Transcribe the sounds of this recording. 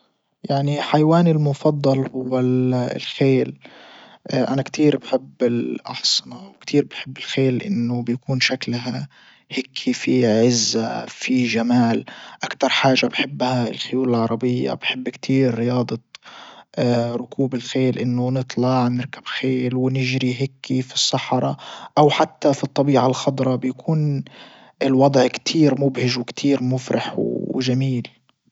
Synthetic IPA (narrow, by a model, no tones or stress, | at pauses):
jaʕniħajwaːnɪlmʊfɑd̪ˤːɑlhʊwːa̰lxeːl | ʔʔanakt̪ʰiːɾbħɪbːɪlʔɑħsˤɨnɑwkt̪iːɾbaħɪbːɪlxeːlʔɪ̰nːʊbjakuːnʃaklɦa | heːkʰifiʕɪzːafiʒamaːlʔakt̪ɑɾˤħaːʒːabħɪbːhaɪlxʊjuːlɪlʕɑɾˤɑbɪjːa̰bħɪbːkt̪ʰiːɾːɪjɑːd̪ˤɑ | ɾʊkʰuːbɪlxeːlʔɪnːʊnɨt̪ˤlɑʕnɪɾkḁb̥xeːlwɪnɪʒɾiɦekʰːifi̥sˤːɑħɑɾˤɑʔawħat̪ːafit̪ˤːɑbiːʕalxɑd̪ˤɾˤɑbjakʰuːn | ɪlwɑd̪ˤʕkt̪ʰiːɾmʊbhɪʒwɪkt̪ʰiːɾmʊfɾɑ̰ħwʒamiːl